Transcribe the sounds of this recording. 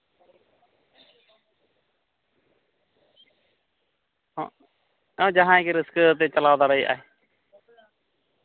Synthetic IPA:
d͡ʒəɦãːekɾɪskt̪̬eːt͡ʃəlaːʋd̪aːɾəiːʔa̰ːɦeː

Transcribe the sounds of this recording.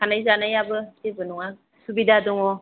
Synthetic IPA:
anajzanajabɯtebɯnuŋa | subidadɔŋɔ

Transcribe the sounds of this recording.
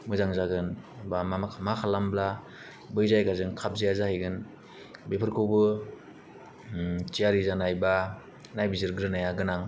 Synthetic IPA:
mɯzaŋzaɡɯnbamamakʰalambla | bɯjzajɡazɯŋkʰap̚zijazahajɡɯn | bepʰɯɾkʰɯwbɯ | t͡ʃijaɾizanajba | najbizɯɾɡɾɯnajaɡɯnaŋ

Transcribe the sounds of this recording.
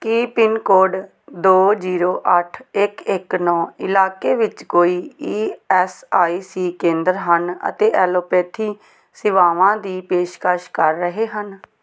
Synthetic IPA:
kiːpɪnkoːɾɖ | d̪oːd͡ʒiːɾoːʔəʈʰɪkɪknɔːɪlaːkeːʋɪt͡ʃkoːiːiːɛːsaːiːsiːkẽːnd̪əɾɦənə̰t̪eːʔɛːloːpɛːt̪ʰiː | sɪʋaːʋãːd̪iːpeːʃkəʃkəɾːəɦeːɦən

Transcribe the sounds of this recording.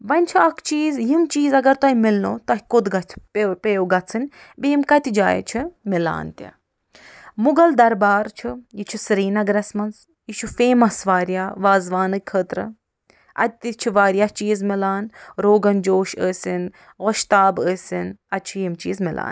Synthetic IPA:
ʋɐnʲt͡ʃʰiɐkʰt͡ʃiːzjimt͡ʃiːzɐɡɐɾt̪ɐɦimilno̰ːt̪ɐɦʲkod̪ɡɐt͡ʃʰppeːwɡɐt͡sʰɨnʲ | biimkɐt̪ʲid͡ʒa̰ːj̰t͡ʃʰimila̰ːnt̪ʲa̰ | muɡɐld̪ɐɾbaːɾt͡ʃʰijit͡ʃʰisɾiːnɐɡɾɛsmɐns | jiʃufeːmɐsʋaːɾjaːʋaːzʋaːnɨkʲkʰəːt̪ɾɨ̰ | ɐ̰t̪ːit͡ʃʰiʋaːɾjaːt͡ʃiːzmilaːnɾoːɡɐnd͡ʒoːʃəːsʲin | ɣoʃt̪aːbəːsʲinɐt͡ʃʰijimt͡ʃiːzmila̰ːn

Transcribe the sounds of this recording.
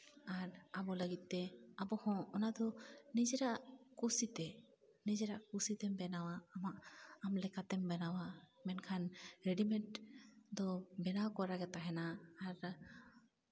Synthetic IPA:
aɾabɔləɡit̪̚t̪ɛabɔhɔ̃ːnad̪ɔnid͡ʒɛɾaʔkusit̪ɛ | nid͡ʒɛɾaʔkusit̪ɛmbɛnawaːmaʔamlɛkat̪ɛmbɛnawamɛnkʰanɾeɖimɛʈd̪ɔbɛnawkɔɾaɡɛt̪aɦɛnaːɾ

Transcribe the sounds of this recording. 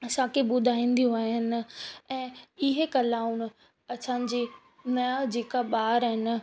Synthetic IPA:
ɐsãkʰeɓʊd̪ʱaːĩːn̆d̪ijũaːɦɦɪnɪ̆ɛ̃ːɪɦekɐlaːʊnʊ̆ | ɐsãd͡ʑeː | nɐjad͡ʑeːkaɓaːɾɦɪnɪ̆

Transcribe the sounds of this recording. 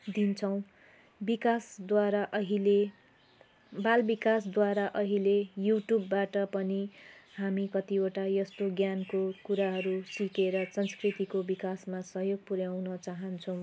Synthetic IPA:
d̪int͡sʰʌw̃ | bikasd̪waɾaʔʌɦile | balbikasd̪waɾaʔʌɦilejuʈjubːaʈʌpʌnihamikʌt̪ioʈajʌst̪oɡjankokuɾaɦʌɾusikeɾʌsʌnskrit̪ikobikasmasʌɦjoɡ̚puɾjawnʌt͡saɦʌnt͡sʰʌ̃w̃

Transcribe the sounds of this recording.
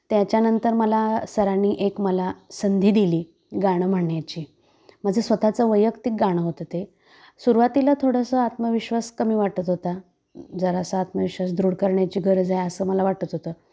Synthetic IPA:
t̪jat͡ɕjanənt̪əɾməlasəɾaniːʔekməlasənd̪ʱiːd̪iliː | ɡaɽ̃əm̤əɳjat͡ɕiː | m̤əd͡zʱesʋət̪at͡səʋəjəkt̪ik̚ɡaɽ̃əɦot̪ət̪e | suɾʋat̪ilat̪ʰoɽəsəːat̪məʋiɕʋaskəmiːʋaʈət̪ɦot̪a | d͡zəɾaəsəat̪məʋiɕʋasd̪ɾuɽkəɾɳjat͡ɕiːɡʱəɾd͡zajəsəːməlaʋaʈət̪ɦot̪əː

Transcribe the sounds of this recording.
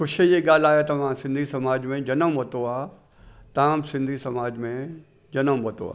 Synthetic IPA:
xʊʃejeɡaːl̤aːɦet̪ɐʋ̤ãsɪ̃nd̪ʱisɐmaːd͡ʑmẽd͡ʑɐnəmʋot̪oaː | t̪ãːmsɪ̃nd̪ʱisɐmaːd͡ʑmẽ | d͡ʒɐnəmʋɐt̪o̰a̰ː

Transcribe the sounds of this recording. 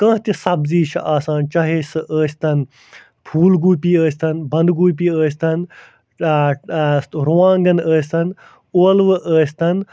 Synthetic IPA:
kɐ̃ːɦt̪isɐbziːʃʰɐ̰ʔaːsaːnt͡ʃaɦeːsɨʔəːsʲt̪ɐn | pʰuːlɡuːpiːəːsʲt̪ɐnbɐ̃nd̪ɡuːp̬iːəːsʲt̪ɐn | ɾuʋãːŋɡɐnəːsʲt̪ɐn | oːlʋɨʔəːsʲt̪ɐn

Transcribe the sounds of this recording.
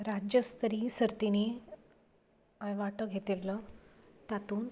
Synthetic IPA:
ɾad͡ʑjəst̪ɾisəɾt̪ini | əjʋaʈəɡʱet̪ilːə | t̪at̪uːn

